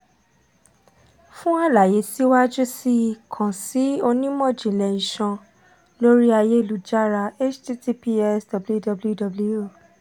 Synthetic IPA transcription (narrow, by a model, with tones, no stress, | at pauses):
fũ˦a˦˨la˨je˨˦si˦wa˦d͡ʒu˦si˦˧kʰã˨si˨˦o˧nĩ˦mɔ̃˦˨d͡ʒĩ˨lɛ˨nĩ˨ʃã˧ | lo˦ɾi˦a˧je˦˨lu˨d͡ʒa˦ɾa˧e˦t͡ʃti˦ti˦pi˦ɛ˦sdɔ˧bldɔ˧blu˦dɔ˧blu˦o˦˨